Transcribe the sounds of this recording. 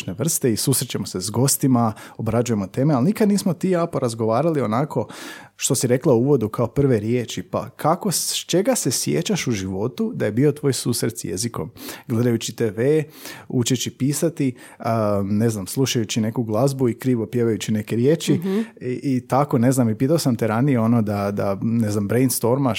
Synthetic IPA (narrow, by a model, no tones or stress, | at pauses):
neʋr̩st̪eisusɾet͡ɕemo̞se̞zɡo̞st̪imao̞bɾad͡ʒuje̞mot̪e̞ːmealnikad̪niːsmot̪iapoɾazɡo̞ʋaːɾalio̞nako̞ʃt̪o̞siɾe̞klˠaouʋo̞d̪ukaopr̩ʋe̞ɾje̞ːt͡ʃipa̰kʰako̞st͡ʃe̞ɡasesjḛt͡ɕaʃuʒiʋo̞t̪ud̪aje̞bio̞t̪ʋo̞ːjsusɾet̪sjḛziko̞̰mɡle̞d̪ajut͡ɕit̪eːʋeːut͡ʃet͡ɕipiːsat̪i | ne̞znamslˠuʃajut͡ɕine̞kuɡlˠazbuikɾiːʋo̞pje̞ʋajut͡ɕine̞ke̞ɾje̞ːt͡ʃiiʔit̪ako̞ne̞znamipiːt̪aosamt̪eɾanijeo̞no̞d̪ad̪ane̞znambɾejnst̪o̞ɾma